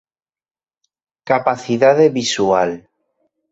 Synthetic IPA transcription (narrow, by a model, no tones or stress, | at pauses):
kapaθiðaðeβisual